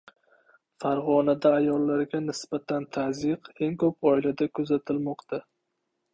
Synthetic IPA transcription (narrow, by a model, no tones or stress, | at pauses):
faɾʁɒnad̪aːjɒlˠːaɾɡʲanɪsbat̪ʰant̪ʰazɪqe̞ŋkʰɵp̚ɒɪlad̪akʰɵzat̪ʰɪlmɒqt̪ʰa